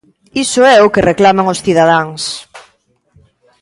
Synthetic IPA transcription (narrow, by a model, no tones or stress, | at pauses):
isʊɛʊkereklamaŋosθiðað̞aŋs